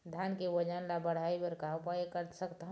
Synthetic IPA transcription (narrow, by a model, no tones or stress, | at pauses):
d̪ʱjaːnkewəd͡ʒanlabəɽ̤aibəɾkapajekəɾt̪səkt̪aɦ